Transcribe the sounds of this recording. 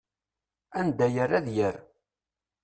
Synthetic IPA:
ænd̪æjəɾæðjəɾ

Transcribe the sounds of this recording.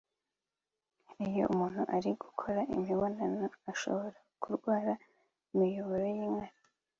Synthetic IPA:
ijo̞̰ʔumuːn̥huʔaɾiɡ̥ukʰo̞ɾaʔḭmiβonanoaʃo̞̰βo̞ɾakuɾɡwaːɾa | imijoβoɾojiːŋaɾi

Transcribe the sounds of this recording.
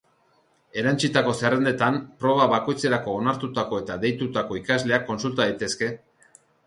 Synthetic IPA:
e̞ɾant͡sit̪ako̞sere̞nd̪e̞t̪ampɾo̞β̞aβako̞jt͡se̞ɾako̞ːnaɾt̪ut̪ako̞e̞t̪aðe̞jt̪ut̪ako̞ikazle̞akːo̞nsult̪aðajt̪e̞ske̞

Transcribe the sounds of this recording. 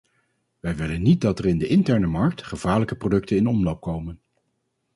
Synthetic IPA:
ʋɛjʋɪlənːit̚dɑtərɪndəʔɪntɛɹnəmɑɹk̚tχəv̥aːɹləkəprodɵk̚tənɪnɔmlowp̚kowmən

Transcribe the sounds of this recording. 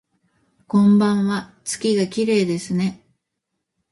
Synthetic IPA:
kõ̞mbãɰ̃βat͡sɨ̥kʲiɡakʲiɾe̞ːd̪e̞sɨne̞

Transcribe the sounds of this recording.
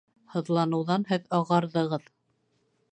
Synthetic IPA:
hɤ̆ðlˠɑnɤ̆wðɑnhɘðɑʁɑɾðɤ̆ʁɤð

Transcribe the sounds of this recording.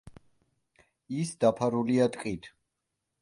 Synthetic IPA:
isd̪apʰaɾuliat̪ʼqʼit̪ʰ

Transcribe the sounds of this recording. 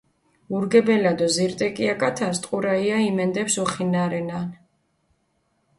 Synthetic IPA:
uɾɡɛbɛlad̪ɔziɾt̪ʼɛkʼiakʼat̪ʰast̪ʼqʼuɾaiaimɛnd̪ɛpsuχinaɾɛnan

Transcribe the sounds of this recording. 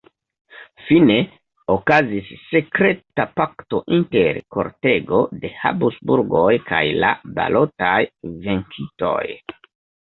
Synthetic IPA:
fine̞ | okazisːe̞kɾe̞tapakto̞ʔinte̞ɾko̞̰ɾte̞ɡo̞de̞ha̰busbuɾɡojkʰa̰jla̰ba̰lo̞tajve̞ŋkʰito̞̰j

